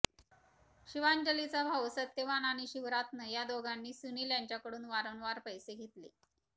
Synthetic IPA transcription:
ɕiʋaɲd͡ʑəlit͡sabʱaʋsət̪ːeʋanaɽ̃iɕiʋɾat̪nəjad̪oɡanːiːsuniːljaɲt͡ɕjakəɽuːnʋaɾənʋaɾpəjseɡʱet̪lḛ

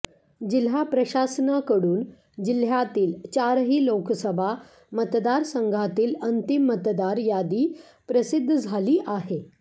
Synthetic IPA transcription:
d͡ʑil̤japɾəɕasnakəɽuːn | d͡ʑil̤jat̪iːlt͡ɕaɾɦiːloksəbʱa | mət̪d̪aɾsəŋɡʱat̪iːlənt̪imːət̪d̪aɾjad̪iː | pɾəsid̪ʱːəd͡zʱaliːʔaɦe

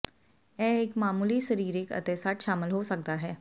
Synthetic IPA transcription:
ɛɪkmaːmuːliʃəɾiːɾɪkə̰t̪eːsaːʈʃaːməlɦosək̚d̪aɦɛː

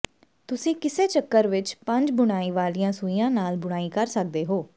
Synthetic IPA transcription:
t̪ʊsĩːkɪseːt͡ʃəkːəɾʋɪt͡ʃpə̃ɲd͡ʒbʊɽ̃aːiːʋaːlijãːsuijãːnaːlbʊɽ̃aːiːkəɾsək̚d̪eːɦoː

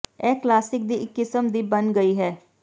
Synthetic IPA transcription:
ɛːklaːsɪk̚d̪iɪkːɪsəmd̪ibənɡəiɦɛː

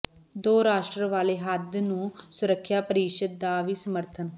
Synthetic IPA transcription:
d̪oːɾaːʃʈɾəʋaːleːɦəd̪nũːsʊɾəkʰːjaːpəɾiːʃəd̪̚ːaːʋiːsəməɾt̪ʰən

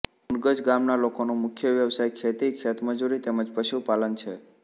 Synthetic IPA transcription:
unɡəd͡ʒɡamnalokonũmʊkʰjəʋjəʋsajkʰet̪ikʰet̪məd͡ʒuɾit̪eməd͡ʒpəʃupalənt͡ʃʰe

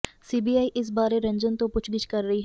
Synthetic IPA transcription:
siːbiːaːiʔɪs̬baːɾeɾɐ̃ɲd͡ʒənt̪õpʊt͡ʃʰd̪ɪt͡ʃkɐɾːɐɦiɦ

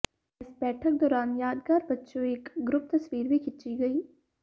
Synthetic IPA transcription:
ɪsbɛːʈʰək̚d̪ɔːɾaːnjaːd̪ɡaːɾbɐtːʃõeːkɡɾʊp̚t̪ɐswiːɾbʱikʰɪtːt͡ʃiɡɐiː

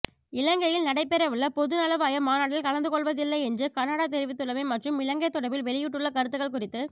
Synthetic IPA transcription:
ɪlɐŋɡɐjɪlnɐɽɐɪpːɛɾɐʋɪɭːɐpɔðɯnɐlɐʋaːjɐmaːnaːɽɪlkɐlɐnd̪ɯkɔɭʋɐðɪlːɐɪɛndrɯkɐnːɐɽaːt̪̬ɛɾɪʋɪt̪ːɯɭɐmɐɪmɐʈrɯmɪlɐŋɡɐt̪ːɔɽɐbɪlʋɛɭɪjɪʈːɯɭːɐkɐɾɯt̪ːɯɣɐɭkʊrɪt̪ːɯ

